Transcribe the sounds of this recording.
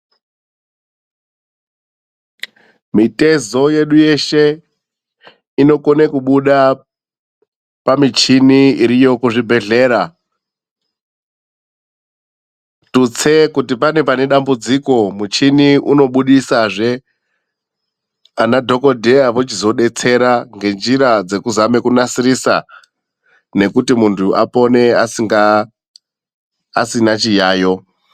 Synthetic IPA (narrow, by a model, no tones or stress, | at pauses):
mite̞zo̞je̞ɗuje̞ʃe̞ | ino̞konekuɓuɗa | pamit͡ʃiniiɾijo̞kuʐibʱe̞ɮe̞ːɾa | tut͡se̞kutipane̞pane̞ɗambud͡ziko̞mut͡ʃiniʔuno̞ɓuɗisaʐe | anadʱo̞ko̞dʱejaʋot͡ʃizo̞ɗe̞t͡se̞ɾaŋɡe̞nd͡ʒiɾad͡ze̞kuzame̞kunasiɾisa̰ | ne̞kutimuntʰuʔapo̞ne̞asiŋɡa | a̰sinat͡ʃijaːjo̞